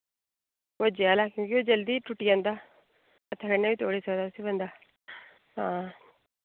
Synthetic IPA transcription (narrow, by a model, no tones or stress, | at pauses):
od͡ʒialakjũːŋkiod͡ʒɐld̪iʈuʈːijɐnd̪a | ɐt̪ʰɐkɐɳːeʋit̪oːɽisɐd̪asibɐnd̪a | ɦaː